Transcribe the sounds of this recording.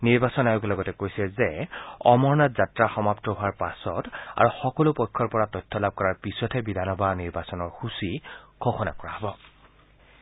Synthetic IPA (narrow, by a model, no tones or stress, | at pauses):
niɹbasɔnajuklɔɡɔtɛkojsɛzɛɔmɔɹnatzatɹaxɔmaptɔɦʊaɹpasɔta̰ɹuxɔkɔlʊpɔjkʰːɔɹpɔɹatɔjtʰːɔlab̚kɔɹaɹpisɔtʰɛbidʱanɔbʱaniɹbasɔnɔɹxusiɡʰɔxɔna̰kɔɹa̰ɦɔbɔ